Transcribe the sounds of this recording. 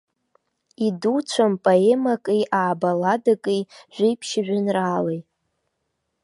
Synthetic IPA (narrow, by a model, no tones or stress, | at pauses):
idut͡ɕʷʰampʼoemakʼijʔaːbaladakʼijʒʷᶣɪjpʰʃɪʒᶣɪnraːlej